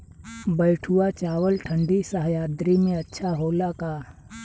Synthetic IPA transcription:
bɐɪʈʰuat͡ʃaːwəlʈʰə̃ɳɖisəɦjaːd̪ɾimẽɐtːʃʰaɦoːlakaː

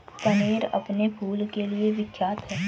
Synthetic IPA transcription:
kɐneːɾɐ̰pnebʱuːlkelieʋɪkʰjaːt̪ɦɛː

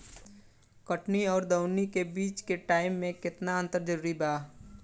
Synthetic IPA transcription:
kəʈniɔːɾd̪əʊnikebiːt͡ʃkeʈaːɪmːẽkɪt̪naə̃nt̪əɾd͡ʒəɾuːɾibaː

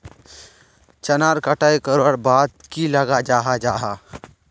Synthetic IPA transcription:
t͡ʃɐnaːɾkəʈaːekəɾəɽbaːd̪kilɐɡad͡ʒaːɦad͡ʒaːɦa

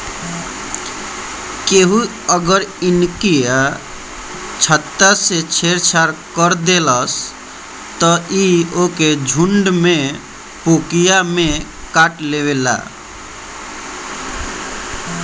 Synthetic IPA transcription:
keɦu | əɡəɾinkija | t͡ʃʰət̪ːaset͡ʃʰeɾt͡ʃʰaɾkəɾd̪eləs | t̪ɔioked͡ʒʱuɳɖmẽ | pokijame | kaʈlewela̰

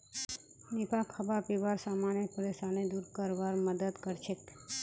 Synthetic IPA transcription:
nipakʰəbapiʋaɾsamanjəpəɾesaned̪uɾkəɾʋaɾməd̪əd̪kəɾt͡ʃʰek

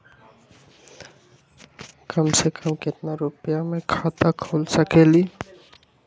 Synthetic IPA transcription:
kəmsekʰəmkɪt̪naɾʊpjamẽkʰaːt̪akʰoːlsəkeːli

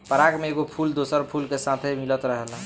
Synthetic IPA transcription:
pəɾakmeːɡopʰuld̪osəɾpʰulkesat̪ʰemilət̪ɾəɦela

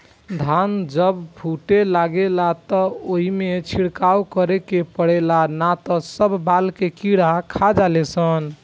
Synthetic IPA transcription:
d̪ʱand͡ʒəbbʰʱuʈelaɡelat̪ɔoɦimet͡ʃʰiɽkawkəɾekepəɽelanat̪ɔsəbːalkekiɽakʰad͡ʒalesən

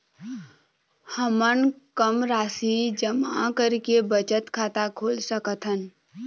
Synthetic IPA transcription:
həmənkəmɾaːsid͡ʒəmakəɾkebət͡ʃət̪kʰaːt̪akʰoːlsəkət̪ʰɦən

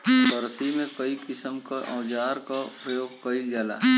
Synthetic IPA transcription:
bɐɾsimẽkɐikɪsəmkaʔɐ̃ːd͡ʒaːɾkapɾəjoːɡ̚kɐild͡ʒaːla̰ːɦ

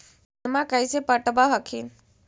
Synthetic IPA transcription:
emakajsepəʈəbaɦəkʰin

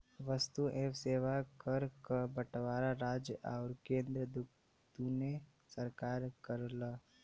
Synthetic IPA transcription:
ʋəst̪uʔeːʋseːʋakəɾkəbəʈʋaːɾaɾaːd͡ʒjəʔaʊɾkẽːnd̪ɾəd̪ʊ | t̪une | səɾkaːɾkəɾlə

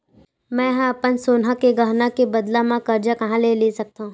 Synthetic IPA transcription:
mɛ̃ɦãɐpənsoːnɦakeɡɐɦnakebɐd̪lamãkɐɾd͡ʒakɐɦãleːlesɐk̚t̪aɦũː

